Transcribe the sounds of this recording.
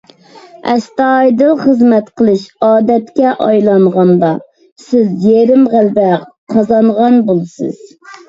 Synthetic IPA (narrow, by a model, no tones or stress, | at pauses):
ɛst̪ɑjd̪ɨlˠχəzmɛt̪qʰəlˠɨʃɑːd̪ɛt̪kʲɛʔɑjlˠɑɴʁɑnd̪ɑ | sɪzjeɾɪmʁælbɛq | qʰɑzɑnʁɑnbolˠsɨ̰z̥